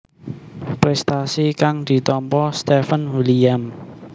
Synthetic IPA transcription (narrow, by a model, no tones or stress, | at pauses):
pɾɛst̪asikaŋd̪̥i̤t̪ɔmpɔst̪ɛfənwiliam